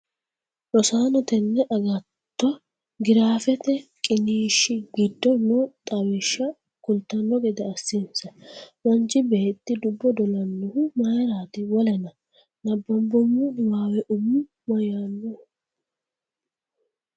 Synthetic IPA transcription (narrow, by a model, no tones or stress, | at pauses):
ɾɔsaːnɔt̪ɛnːɛʔɐɡɐ | t̪ːɔ | ɡɪɾaːfɛt̪ɛkʼɪniːʃːɪɡɪd̪ːɔnːɔt̪ʼɐwɪʃːɐ | kʊlt̪ːɐnːɔɡɛd̪ɛɐsːinsɐwɐnd͡ʒɪbeːt̪ːɪd̪ʊbːɔd̪ɔlɐnːʊhʊmajɾaːt̪ɪwɔlɛnɐ | nɐbːɐmbɔmːʊwaːwɛʔʊmːʊ | mɐjanːɔ